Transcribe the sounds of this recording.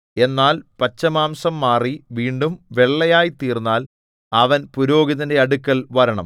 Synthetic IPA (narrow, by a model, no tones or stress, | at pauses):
e̞nːaːlpɐt͡ɕːɐmaːmsɐmːaːriʋiːɳɖumʋe̞ɭːɐjaːjit̪iːrnːaːl | ɐʋɐnpuɾo̞ːɡiðɐnde̞ɐɽukːɐlʋɐɾɐɳɐ̰m